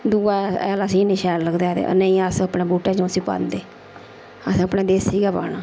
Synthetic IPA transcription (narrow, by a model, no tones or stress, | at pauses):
d̪uɡaɛ̰ːlaːsĩːniːʃɛːɾləɡd̪aːd̪ḛːə̰nẽiːasəpneːbuːʈɛːd͡ʒõːsĩːpa̰ːnd̪eː | əsəpnɛːd̪eːsiːɡaːpa̰ːnaː